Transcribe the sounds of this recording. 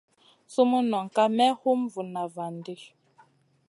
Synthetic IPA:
su˦mu˦nɔ˨ŋ̩˨ka˦mɛ˦hu˦m˦vu˨na˨va˨ndi˦

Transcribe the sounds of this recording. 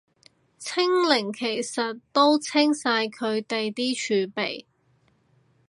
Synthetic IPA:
t͡sʰɪ˥ŋlɪ˨˩ŋkʰe˨˩jsɐ˨tt̪o˥wt͡sʰɪ˥ŋsaː˧jkʰɵ˨˧ɥt̪e˨jt̪iː˥t͡ʃʰyː˨˧pe˨˩j

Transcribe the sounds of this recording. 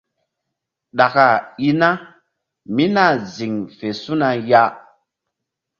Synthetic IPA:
ɗa˨ka˨i˦na˦ | mi˦na˦˨zi˨ŋfe˨su˦na˧ja˦

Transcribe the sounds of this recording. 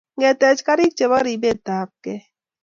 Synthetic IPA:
ŋɛ˨tɛ˨t͡ʃka˦ɾi˦k̚t͡ʃe˨ba˦ɾi˨be˦˨ta˨˦p̚kɛ˦

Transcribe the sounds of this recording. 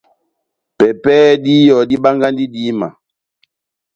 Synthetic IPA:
pɛ˨pɛː˦di˦jɔ˨di˦ɓa˦ŋɡa˦ndi˦di˦ma̰˨

